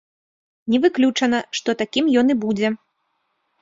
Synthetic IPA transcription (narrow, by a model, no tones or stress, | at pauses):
nʲɛvɨklʲut͡ʂɐn̪ɐʂt̪ɔt̪akʲimjɔn̪ibud͡zʲɛ